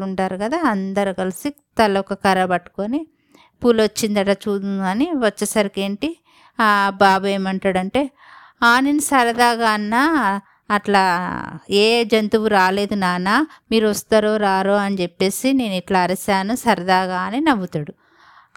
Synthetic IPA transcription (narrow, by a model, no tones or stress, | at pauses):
uɳʈaːɾukɐd̪aːɐnd̪ɐɾukɐlisi | t̪ɐlɐkɐkɐɾɐbɐʈːu̥koni | pulɐt͡ʃːind̪ɐʈat͡ʃuːd̪unɐniʋɐt͡ʃːɐsɐɾikeːɳʈi | abaːbue̞ːmɐɳʈaːɽɐɳʈe̞ː | aːnenusɐɾɐd̪aːɡaːnːaː | ʈlaː | eːd͡ʒɐnt̪uʋuɾaːle̞ːd̪unaːnaːmiːɾuɐst̪aːɾoːɾaːɾoːɐnit͡ʃepːe̞ːsine̞ːniʈlɐːɾɐsaːnusɐɾɐd̪aːɡaːninɐʋut̪aːɽu